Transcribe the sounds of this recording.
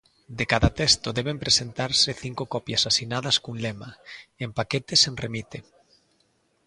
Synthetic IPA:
d̪ekaðat̪est̪oðɛβ̞empɾesent̪aɾseθiŋkokɔpjasasinaðɐskunlemaempaket̪esenremit̪e

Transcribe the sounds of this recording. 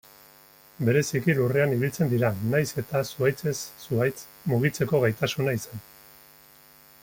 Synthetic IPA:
be̞ɾe̞sikilureaniβilt͡se̞nd̪iɾanajse̞t̪asuajt͡se̞sːuajt͡s | muɣ̞it͡se̞ko̞ɣajt̪asunaisan

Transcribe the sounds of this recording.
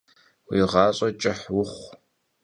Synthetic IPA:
wiːʁɑːɕʼɐt͡ʃʼɪħwʊχʷ

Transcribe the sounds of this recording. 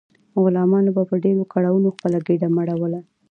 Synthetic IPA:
ɣʊlɑmɑnobapəɖeɾokaɽawunoxpəlaɡeɖamaɽawəla

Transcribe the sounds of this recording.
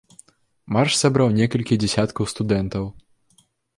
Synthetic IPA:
marʂsabɾawnʲɛkɐlʲkʲid͡zʲɛsʲat̪kɐwst̪ud̪ɛnt̪ɐw

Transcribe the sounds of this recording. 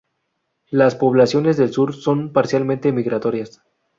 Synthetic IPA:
laspo̞βlasjo̞ne̞zðe̞lsuɾso̞npaɾsjalmẽnt̪e̞miɣɾat̪o̞ɾjas

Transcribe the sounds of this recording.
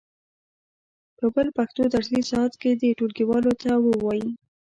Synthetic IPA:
pəbəlpaxt̪od̪aɾlisɑat̪ked̪eʈolkiwɑlot̪awəwɑji

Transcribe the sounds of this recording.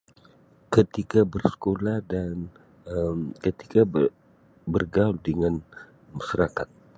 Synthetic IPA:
kət̪ikabərsə̥kolahdan | əmkət̪i̥ka | bərɡauldəŋan | maʃaɾakat̪̚

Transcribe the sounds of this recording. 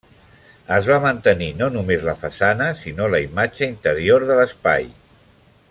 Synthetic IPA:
əzβamənt̪əninonumezləfəsanəsinoləimad͡ʒəint̪əɾioɾðələspa̰j

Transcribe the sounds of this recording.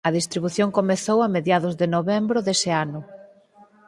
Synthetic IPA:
ɐðist̪ɾiβuθjoŋkomeθowɐmeðjaðʊzðɪnoβɛmbɾʊðesɪanʊ

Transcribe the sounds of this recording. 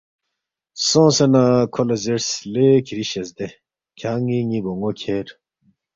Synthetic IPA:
sõːsenakʰolɐziɾslekʰiɾiɕesd̪e | kʰaːŋiŋiboŋɡokʰeɾ

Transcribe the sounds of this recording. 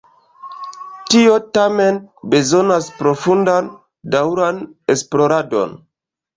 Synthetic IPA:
tio̞tame̞nbe̞zo̞naspɾo̞fundan | dawɾane̞splo̞ɾado̞̰n

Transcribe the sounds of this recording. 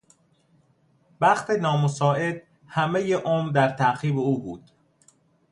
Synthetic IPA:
bæxt̪ʰe̞nɒːmosɒːe̞d̪̥̚ | hæme̞jeʔoːmɾd̪æɾt̪ʰæxiːbeuːbuːd̪̥

